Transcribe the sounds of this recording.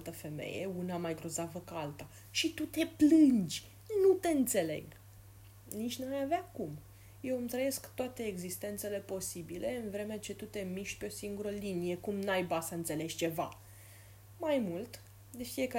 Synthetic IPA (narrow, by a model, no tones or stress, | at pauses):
t̪əfe̞mḛjḛunamajɡɾo̞zavəkəalt̪a | ʃit̪ut̪e̞plɨnd͡ʒʲ | nut̪e̞ɨnt̪se̞le̞̰ɡ | nit͡ʃʲnumajavakum | je̞wɨmt̪ɾəje̞skt̪oat̪e̞ːɡzist̪e̞nt̪se̞le̞po̞sibilʔe̞ɨnvɾe̞met͡ʃe̞t̪ut̪e̞miʃt̪ʲpeo̞siŋɡuɾəlinije̞kumnajbasəɨnt̪se̞le̞ʒʲt͡ʃe̞va̰ | majmult̪ | d̪e̞fie̞ka